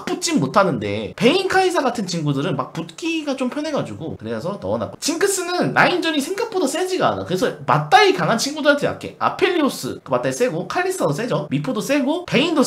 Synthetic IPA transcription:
k̚p͈ut͡ɕ͈immotʰanɯnde̞̰pe̞inkʰaisʰaɡatʰɯnt͡ɕiŋɡudɯɾɯnmak̚put̚k͈iɡat͡ɕompʰjʌne̞ɡad͡ʑuɡokɯɾesʰʌnʌːna̰k͈ot͡ɕiŋkʰɯs͈ɯnɯnːaind͡ʑʌɲisʰe̞ŋɡak̚p͈odas͈ed͡ʑiɡa̰na̰kɯɾesʰʌmat̚t͈aikaŋɦant͡ɕʰiŋɡudɯɾantʰeba̰k͈ʰe̞̰a̰pʰe̞ʎːios͈ɯ̰mat͈ais͈e̞ɡokʰaʎːistʰados̬͈e̞d͡ʑʌmipʰodos͈e̞ɡope̞indo

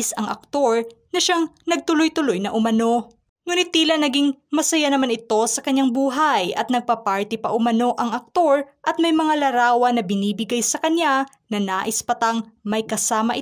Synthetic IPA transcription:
sɐŋʔɐ̰k̚t̪o̞ɹnɐʃaŋnɐɡ̚t̪ʊlojt̪ʊlo̞jnɐʔʊmɐno̞ | ŋuːnɪt̪̚ːiːlɐnɐɡiŋmɐsɐjanɐmanɪt̪o̞sɐkɐɲaŋbuːɦajɐ̰t̪̚nɐɡ̚papaɹt̪ɪpɐʔʊmɐno̞ʔɐŋʔɐk̚t̪o̞ɹʔɐt̪̚mɐjmɐŋalɐɾaːwɐnɐbɪniːbɪɡajsɐkɐɲːa | nɐnaːʔɪspɐt̪ɐŋmɐjkɐsaːmɐʔɪ

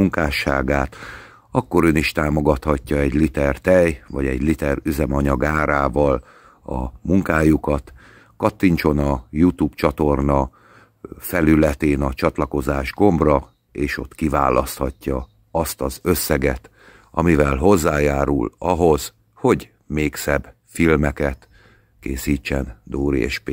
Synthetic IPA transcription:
uŋkaːʃaːɡaːt̪ | ɒkːo̞ɾøniʃt̪aːmo̞ɡɒt̪hɒcːɒɛɟlit̪ɛrt̪ɛjvɒɟɛɟlit̪ɛryzɛmɒɲɒɡaːɾaːvɒl | ɒ̰muŋkaːjukɒt̪ | kɒt̪ːiɲt͡ʃo̞nɒjut̪uːbt͡ʃɒt̪o̞rnɒ | fɛlylɛt̪eːnɒt͡ʃɒt̪lɒko̞zaːʒɡo̞mbrɒ | eːʃo̞t̪kiva̰ːlʔɒst̪hɒcːɒ | ɒst̪ɒzø̞sːɛɡɛt̪ | ɒ̰mivɛlɦo̞zːaːjaːɾṵlɒɦo̞z̥ | ho̞ɟ | meːksɛb | filmɛkɛt̪ | keːsiːt͡ʃːɛnd̪oːɾiḛːʃpe

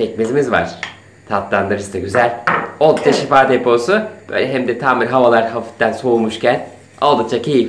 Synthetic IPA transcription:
ɛc̚mezimizva̰ɾ̥ | t̪ʰat̪lˠand̪ɯɾɯst̪aɟyzælʲolˠd̪t͡ʃʰaʃifaːd̪epʰo̞sub̥ø̰jlʲɛɦɛmd̪ɛt̪ʰaːmilʲɦavalˠaɾkʰafi̥t̪ːænso̞umuʃcʰæn | a̰lˠd̪ɯt͡ʃʰacʰeji

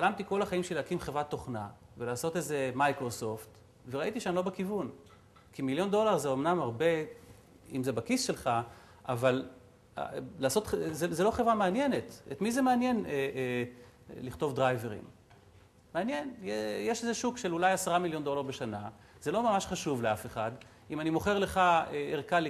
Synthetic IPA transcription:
χalamtiko̞laχaimʃeleakimχevʁat̪ːo̞χna | velaːso̞te̞zemajkʁo̞so̞ft̪ | veʁaʔitiʃeanlo̞bekivun | kimiljo̞ndo̞laʁzeomnamaʁbe̞ | ḭmzebakisʃe̞lχa | ʔaval | a̰laːso̞t̪χzezelo̞χevʁameanjene̞t̪ḛtmize̞meanje̞ne | liχto̞vdʁajve̞ʁḭm | meanjenjejeʃezeʃukʃelulajasaʁamiljo̞nd̪o̞laʁbe̞ʃana | z̥e̞lo̞mamaʃχaʃuvleafeχad | imanimo̞χe̞ʁle̞χaeeʁkali

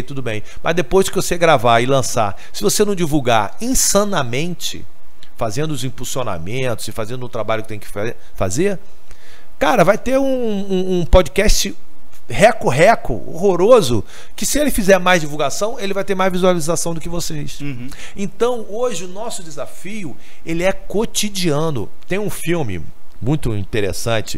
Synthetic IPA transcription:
t̪ud̪ʊbẽj̃mʔɐzd̪epojzd͡ʒɪkɪvoseɡɾavaɪlɐ̃sa̰ | sɪvosenɐ̃w̃d͡ʒivuwɡa̰ | ĩsɐ̃nɐmẽnt͡ʃɪ̰ | fazẽnd̪ʊʊzĩpulsiona̰mẽnt̪ʊz̥ɪfazẽnd̪ʊt̪ɾabaʎʊkɪ̥t̪ẽj̃kɪ̥fe | fa̰zeɾ | kaɾɐvajt̪eɾũ | ũũpod͡ʒikɛst͡ʃɪ | hɛkʊɦɛkʊ̰o̰ɦoɾozʊ̰ | kɪsɪelɪfizɛɾmajzd͡ʒivuwɡasɐ̃w̃elɪvajt̪eɾmajzvizualizasɐ̃w̃d̪ʊkɪvoses | ẽt̪ɐ̃w̃ | oʒɪʊnɔsʊd̪ɪzafijʊ | elɪɛkot͡ʃid͡ʒiɐ̃nʊ̰ | t̪ẽj̃ũfiwmɪ̰ | mũj̃t̪ʊḭ̃t̪eɾḛsɐ̃t͡ʃɪ̰

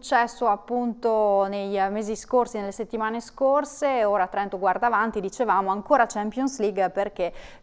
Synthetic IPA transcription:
ut͡ʃːɛsːoapːunt̪onejmeːziskorsinelːeset̪ːimaːneskorseoːɾat̪ːɾɛnt̪oɡward̪avant̪id̪it͡ʃevaːmoaŋkoːɾat͡ʃɛmpjonsliɡperk̟e

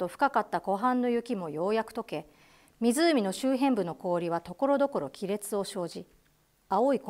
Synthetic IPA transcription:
t̪o̞ɸɯ̟̥kakat̪ːako̞ɦãnːo̞jɯ̟kʲimo̞jo̞ːjakɯ̟̥t̪o̞ke̞ | mʲizɨːmʲino̞ɕɨːɦẽ̞mbɯ̟no̞ko̞ːɾʲiβ̞at̪o̞ko̞ɾo̞d̪o̞ko̞ɾo̞kʲiɾe̞t͡sɨo̞ɕo̞ːʑi | aoik

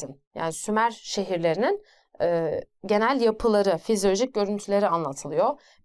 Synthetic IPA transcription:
inja̰ːnisymæɾʃe̞ɦiɾlʲe̞ɾinin | ɛːɟe̞nælʲjapʰɯlˠaɾɯfizijo̞lʲoʒic̚ɟø̞ɾynt̪ʰylʲe̞ɾianlˠat̪ʰɯlˠɯjo

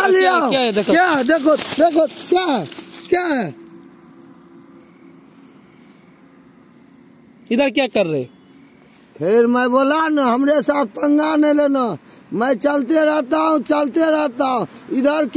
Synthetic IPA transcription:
aliaaɛd̪ekʰokjaɦɛd̪ekʰot̪d̪ekʰot̪kjaɦɛkjaɦɛ | id̪əɾkjakəɾːe | pʰeɾməjbolanəɦəmɾesat̪̚ʰpəŋɡanelenə | məjt͡ʃəlt̪eɾɛɦt̪aɦũt͡ʃəlt̪eɾɛɦt̪aɦũ | ɪd̪ʱəɾk

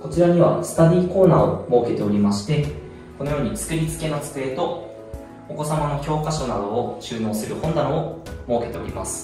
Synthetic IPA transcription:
ko̞t͡ɕiɾaɲ̟iβa̰sɨ̥t̪ad̪ʲiːko̞ːnaːomo̞ːke̞t̪e̞o̞ɾʲimaɕi̥t̪e̞ | ko̞no̞jo̞ːɲ̟it͡sɨ̥kɯ̟ɾʲit͡sɨ̥ke̞not͡sɨ̥kɯ̟e̞t̪o̞ː | ko̞samano̞kʲo̞ːkaɕo̞nad̪o̞ːɕɨːno̞ːsɨɾɯ̟hõ̞nd̪anoomo̞ːke̞t̪e̞o̞ɾʲḭma̰sɨ̥

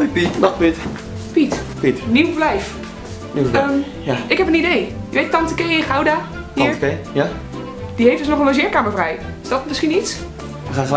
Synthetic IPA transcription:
ipitnɔtpit | pitpitniwvlɛjf | niwəːm | jaɪkɦɛpənidejjəʋejtɑntəkejɪχawda | hiəɹkeja | d̥iɦejfdəsnɔχənloʒɪːɹkaːməɹvrɛj | ɪ̥zdɔtmɪsχinits | ʋəχaːnχəl

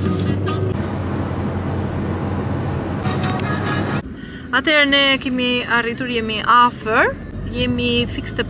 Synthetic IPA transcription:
at̪ɛɾɛnɛkɛmiarit̪uɾjɛmiʔafəɾ | jɛmifikst̪ɛp

